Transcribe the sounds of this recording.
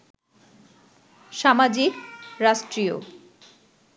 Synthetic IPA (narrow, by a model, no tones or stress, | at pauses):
ʃamad͡ʑikɾaʃʈɾio̰